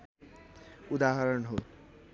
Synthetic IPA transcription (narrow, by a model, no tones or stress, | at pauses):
ud̪aɦaɾɔnɦo